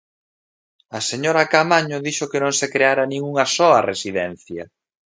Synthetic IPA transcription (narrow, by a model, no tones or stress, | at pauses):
ɐseɲoɾɐkamaɲʊðiʃʊkenõŋsekɾeaɾɐnĩŋuŋɐsɔɐresiðɛn̟θjɐ